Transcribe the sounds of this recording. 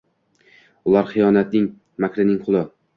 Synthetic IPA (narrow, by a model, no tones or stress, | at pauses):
ʊlˠaɾχɨjɒnat̪̚nɪŋ | makʰʲɾɪnɪŋqʰʊlˠɪ